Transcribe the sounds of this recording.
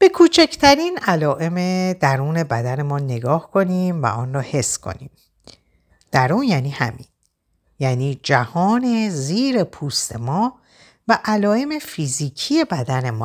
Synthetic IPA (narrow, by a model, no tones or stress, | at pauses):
b̥e̞kʰuːt͡ʃʰecʰt̪ʰæɾiːnælɒːʔe̞med̪æɾuːne̞bæd̪æne̞mɒːnːe̞ɡɒːhkʰo̞niːmvæ̰ʔɒːnrɒːhe̞sːkʰo̞̰nḭːm | d̪̥æɾuːnjæːniːhæ̰mḭːn | jæːniːd͡ʒæhɒːne̞ziːɾepʰuːst̪ʰe̞̰mɒː | væʔælɒːe̞me̞fiziːcʰije̞bæd̪æne̞mɒ̰ː